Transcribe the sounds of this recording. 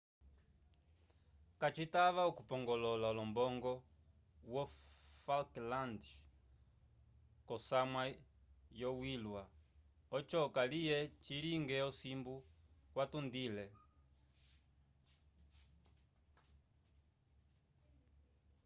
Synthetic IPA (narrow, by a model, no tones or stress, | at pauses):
kat͡ʃitaβaukupɔŋɡɔlɔlalɔmbɔŋɡɔ | wɔfalkland | kɔsamwajɔwilwa | ɔt͡ʃɔkalijɛt͡ʃiɾiŋɡɛɔsimbuwatundilɛ